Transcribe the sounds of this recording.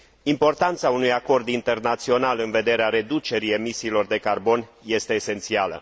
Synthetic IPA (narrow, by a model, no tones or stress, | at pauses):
impo̞rt̪ant̪saunujako̞rd̪int̪e̞rnat̪sio̞nalɨnve̞d̪e̞ɾeaɾe̞d̪ut͡ʃe̞ɾie̞misiːlo̞rd̪e̞karbo̞nje̞st̪e̞ːse̞nt̪sialə̰